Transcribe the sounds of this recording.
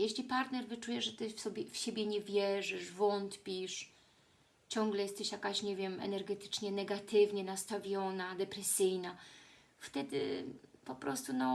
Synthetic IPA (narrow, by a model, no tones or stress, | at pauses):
jɛɕlʲipaɾt̪nɛɾvɘt͡ʂujɛʐɛt̪ɘfsɔbʲɛfɕebʲjɛɲɛvʲjɛʐɘʂvɔnt̪pʲiʂ | t͡ɕɔ̃ŋɡlɛjɛst̪ɛɕjakaɕɲɛvʲjɛmɛ̰nɛɾɡɛt̪ɘ̥t͡ʂɲɛnɛɡat̪ɘvɲɛnast̪avʲjɔnad̪ɛpɾɛsɘjna | ft̪ɛd̪ɘ̰pɔpɾɔst̪unɔ